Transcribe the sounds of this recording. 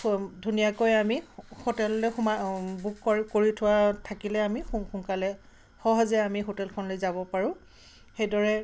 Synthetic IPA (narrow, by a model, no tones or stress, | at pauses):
dʱunijakojamihotɛllojxumabukːɔkoɹitʰʊwatʰakilɛamixuxuŋkalɛ | xɔɦɔzɛamiɦotɛlkʰɔnlojzabɔpaɹʊ̃ | xejdɔɹɛ